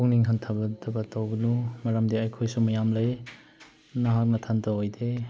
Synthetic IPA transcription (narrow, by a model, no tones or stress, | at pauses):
uŋniŋɦɐntʰabɐtʰɐbɐtʰawɡnumɐɾɐmdiɐjkʰojsumɐjamlɐj | nɐɦak̚nɐtʰantʰawojde